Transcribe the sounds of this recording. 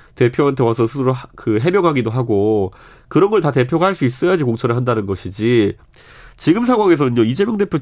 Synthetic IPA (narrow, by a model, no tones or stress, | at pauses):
te̞pʰjoantʰe̞wasʰʌsʰusʰɯɾokɯɦemjʌŋɦaɡidoɦaɡo | kɯɾʌnɡʌɭtate̞pʰjoɡahaɭs͈uis͈ʌjad͡ʑikoŋt͡ɕʰʌɾɯɭɦandanɯnɡʌɕʰid͡ʑi | t͡ɕiɡɯmsʰaŋwaŋe̞s̬ʰʌnɯnjoid͡ʑe̞mjʌŋde̞pʰjo